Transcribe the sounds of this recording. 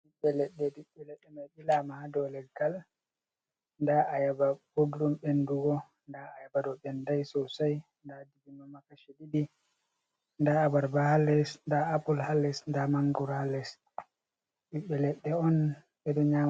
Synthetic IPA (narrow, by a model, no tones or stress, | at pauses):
ɗiɓːɛlɛɗːɛdiɓːɛlɛɗːɛmajɓilamahadɔlɛɡal | ndaʔajababuddumɓenduɡɔ | ndaajabadɔɓɛndajsɔsaj | ndadiɡinɔmakaʃididi | ndaabaɾbahalːɛsndaapulhalːɛsndamaŋɡuɾhalːɛs | ɗiɓːɛlɛɗːɛɔn | ɓɛdɔɲam